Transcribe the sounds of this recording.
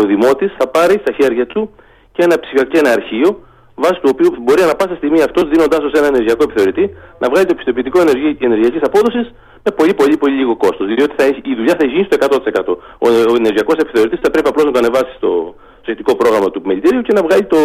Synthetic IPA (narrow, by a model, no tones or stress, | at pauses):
oðimo̞t̪isθɐpɐɾist̪ɐçe̞ɾʝɐt̪u | cee̞nɐpsifiɐkenɐːɾçio̞ | vɐsi̥t̪uopiubo̞ɾiɐnɐpɐsest̪iɣmiɐft̪o̞zðino̞nd̪ɐso̞se̞nɐeneɾʝiɐko̞e̞pi̥θe̞o̞ɾit̪inʔɐvɣɐlit̪o̞pi̥st̪o̞pit̪ikoene̞ɾʝiɐcisɐpo̞ðo̞sis | me̞po̞ʎipo̞ʎipo̞ʎiʎʲiɣo̞ko̞st̪o̞zio̞t̪iθɐiçːðuʎɐθɐeçiʝinist̪o̞e̞kɐt̪o̞t̪isekɐt̪o̞ooene̞ɾʝiɐko̞se̞pi̥θe̞o̞ɾit̪isθɐpɾe̞piɐplo̞znɐt̪o̞ɐnevɐsi̥st̪o̰ | st̪osçet̪iko̞pɾo̞ɣɾɐmɐt̪umelit̪iɾiuce̞nɐvɣɐʎit̪o̞